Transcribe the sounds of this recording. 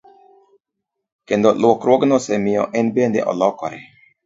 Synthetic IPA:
kend̪ɔlwɔkɾwoɡnɔsɛmiɔ̰ʔɛnbend̪ɛ̰ʔɔ̰lɔkɔɾɛ

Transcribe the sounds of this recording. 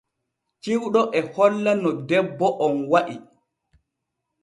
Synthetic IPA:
t͡ʃiwɗɔʔɛhɔlːanɔdɛbːɔʔɔnwaʔi

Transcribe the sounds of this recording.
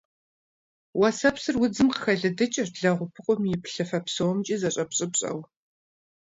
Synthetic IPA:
wɐsɐpsɨrwʊd͡zɨmqəxɐɮɨdɨt͡ʃʼɐrɮɐʁʷʊpʰɨqʷʼɔmjɪpʰɬɐfɐpsɐwɔmt͡ʃʼizɐɕʼɐpɕʼɪpɕʼɐ̰w

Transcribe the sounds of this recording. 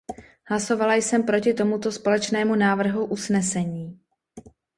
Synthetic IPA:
hlaso̞valajsɛmpɾo̞cɪt̪o̞mut̪o̞spo̞lɛt͡ʃnɛːmunaːvr̩ɦuʔusnɛsɛɲiː

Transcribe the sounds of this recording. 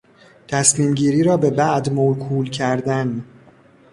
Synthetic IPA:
t̪ʰæsmiːmɟiːɾiːɾɒːbe̞bæʔd̪molkʰuːlcʰæɾd̪æn

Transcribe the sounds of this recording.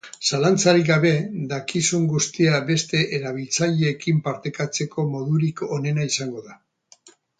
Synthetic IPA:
salant͡saɾiɡaβ̞e̞d̪akisuŋɡust̪iabe̞st̪e̞ʔeɾaβ̞ilt͡saʎe̞ːkimpaɾt̪e̞kat͡se̞ko̞mo̞ðuɾiko̞ne̞naisaŋɡo̞ða

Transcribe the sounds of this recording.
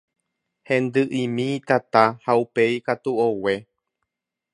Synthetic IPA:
hẽ̞nd̪ɨʔimĩːt̪at̪ahaupe̞ikat̪uowe

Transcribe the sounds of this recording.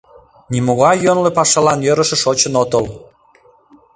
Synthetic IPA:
nʲimuɣɑjjønlepɑʃɑlɑnjøɾə̆ʃĕʃot͡ɕənot̪əl

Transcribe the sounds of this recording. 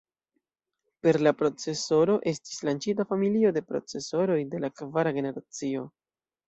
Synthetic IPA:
pe̞ɾlapɾo̞t͡se̞so̞ɾo̞ʔe̞sti̥slant͡ʃitafamilio̞de̞pɾo̞̰t͡se̞so̞ɾo̞jde̞lakvaɾaɡe̞ne̞ɾat͡sio̞

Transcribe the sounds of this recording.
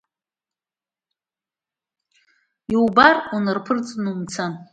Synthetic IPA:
iwbarunɨrpʰɨrt͡sʼnumt͡sʰan

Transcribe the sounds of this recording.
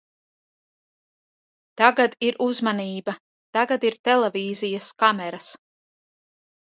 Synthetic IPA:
t̪aɡad̪iɾʔuzmaniːba | t̪aɡad̪iɾt̪ɛlˠɛviːzijaskamɛɾas

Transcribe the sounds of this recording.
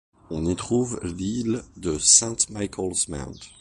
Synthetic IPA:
ɔ̃nit̪χuvlild̪əsɛ̃t̪majkʰɔlsmɛ̰̃t̪

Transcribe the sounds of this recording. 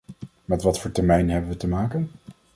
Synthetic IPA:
mɛtʋɑtfʊːɹtɛɹmɛjnɦɛbənʋətəmaːkən

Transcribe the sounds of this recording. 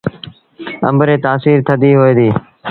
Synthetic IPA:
ə̰mbɾeːt̪aːsiːɾt̪ʰəd̪iːɦoːẽːd̪iː

